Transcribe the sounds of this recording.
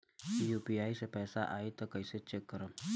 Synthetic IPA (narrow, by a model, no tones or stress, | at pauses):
jupiaːisepɛːsaʔaːit̪ɐkəiset͡ʃekːəɾə